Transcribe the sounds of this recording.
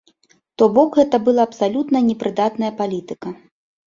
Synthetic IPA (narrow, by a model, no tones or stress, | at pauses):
t̪ɔbɔkɣɛt̪ɐbɨlˠaːpsalʲut̪nɐnʲɛpɾɨd̪at̪nɐjɐpalʲit̪ɨkɐ